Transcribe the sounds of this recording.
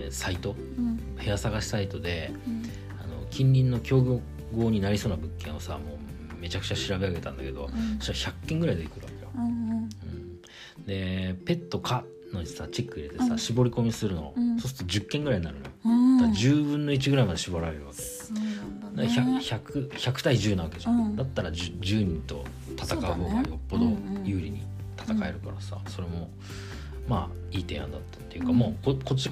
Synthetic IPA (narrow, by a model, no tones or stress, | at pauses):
sait̪o̞ | he̞asaɡaɕi̥sait̪o̞d̪e̞ | ano̞̰kʲĩɲʲɾʲĩnːo̞kʲo̞ːɡʲo | ɡo̞ːɲ̟inaɾʲisoːnabɯ̟kːẽ̞ɰ̃o̞samo̞ː | me̞t͡ɕakɯ̟̥t͡ɕaɕiɾabe̞aɡe̞t̪ã̰nd̪ake̞d̪o̞̰̥açʲakːẽ̞ŋɡɯ̟ɾaid̪ekɯ̟ɾɯβa̰ke̞jo | ɯ̃ɴ | d̪e̞pe̞t̪ːo̞kʰa | no̞ɲisat͡ɕe̞kːɯ̟iɾe̞t̪esaɕibo̞ɾʲiko̞mʲisɨɾɯ̟no̰so̞s̬ɨ̥t̪od͡ʑɨkːẽ̞ŋɡɯ̟ɾaiɲ̟inaɾɯ̟no̰jod̪ad͡ʑɨːbɯ̟̃nːo̞it͡ɕiɡɯ̟ɾaimad̪e̞ɕiboɾaɾe̞ɾɯ̟βake̥ | d̪açaçakɯ̟çakɯ̟̥t̪aiʑɨːnaβake̞d͡ʑãd̪at̪ːaɾad͡ʑd͡ʑɨːɲ̟ĩnt̪o̞̰ | t̪at̪akaojopːo̞d̪o̞jɯ̟ːɾʲiɲ̟ḭt̪ʰḁt̪akae̞ɾɯ̟kaɾasa̰so̞ɾe̞mo̞ | ma̰ː | iːt̪ẽ̞̰ːã̰nd̪at̪ːḁt̪ːeiɯ̟kamoːkoko̞t͡ɕːi